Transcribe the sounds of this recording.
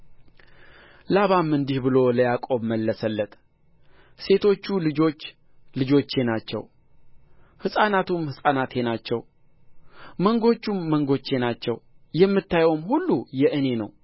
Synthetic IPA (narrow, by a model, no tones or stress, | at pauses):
laβamɨnd̪ihbɨlo̞ləjakʼo̞βməlːəsəlːət̪ʼ | se̞t̪ʰo̞t͡ʃːulɨd͡ʒo̞t͡ʃː | lɨd͡ʒo̞t͡ʃːe̞nat͡ʃːɛ̰w | hɨsʼanat̪ʰumhɨsʼanat̪e̞nat͡ʃːɛw | məŋɡo̞t͡ʃːumːəŋɡo̞t͡ʃːe̞nat͡ʃːɛwjɛmːɨt̪ːajwomhulːujɛʔɨne̞nəw